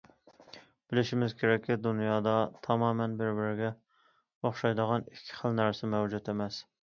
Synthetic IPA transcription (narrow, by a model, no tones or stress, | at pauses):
b̥ɪlɪʃimɪzkʲʰeɾɛkʲːid̪unjɑːd̪ɑt̪ʰɑmɑːmɛnbɪɾbɪɾɪɡʲɛ | oχʃɑjd̪əʁɑnɪkʲʰːɪ̥χəlˠnæɾsɪmɛwd͡ʒut̪emɛs